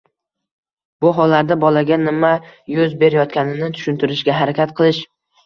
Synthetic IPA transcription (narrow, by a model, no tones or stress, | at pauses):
b̥ʊɦɒlaɾd̪abɒlaɡʲanɪmajʊzbe̞ɾɪjɒt̪̚kʲanɪnɪt̪ʰʊ̥ʃʊnt̪ʰʊɾɪʃɡʲaɦaɾakʲat̪qʰɨlˠɪʃ